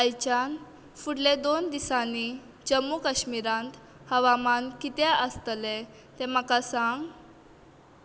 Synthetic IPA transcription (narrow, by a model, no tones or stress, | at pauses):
əjt͡ɕan | fuɽled̪ond̪isani | d͡ʑəmːukəɕmiɾãnt̪ | həʋamankit̪eʔəst̪le | t̪ẽm̤əkasaŋɡ